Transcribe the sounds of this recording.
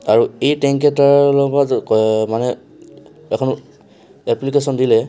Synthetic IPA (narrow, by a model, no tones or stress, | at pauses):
aɹuejtɛŋkɛtaɹlɔbatmanɛ | ɛkʰɔn | ɛplikesɔndilɛ